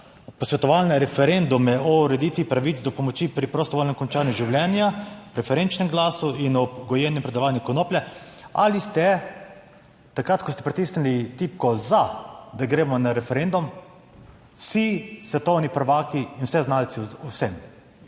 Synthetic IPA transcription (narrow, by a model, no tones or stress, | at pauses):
pɔsʋʲɛt̪ɔʋalnɛɾɛfɛɾend̪umjɛʔɔuɾɛd̪iːt̪ʋipɾaʋit̪t͡s̪d̪ɔpɔmɔt͡ʃipɾipɾost̪ɔʋolnɛmkɔnt͡ʃaːnjuʒiwlʲjɛnjapɾɛfɛɾent͡ʃnɛmɡlaːsuinɔɡɔjɛnɛmpɾɛd̪ɐʋaːnikɔnoːplʲɛa̰list̪ɛ | t̪akɾat̪kɔst̪ɛ̥pɾit̪isnilit̪iːp̚kɔzad̪aɡɾeːmɔnaɾɛfɛɾend̪um | wsisʋɛt̪ɔwnipɾʋaːkiːnwsɛznalt̪sɛɔwsɛm